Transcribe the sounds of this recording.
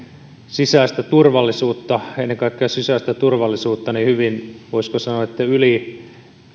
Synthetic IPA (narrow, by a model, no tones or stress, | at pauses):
sisæːst̪æt̪urʋɑlːisuːt̪ːɑenːeŋkɑˑikːeɑsisæˑst̪æt̪urʋɑlːˑisuːt̪ːɑnihyʋinʋoiskosɑnoɑet̪ːæyli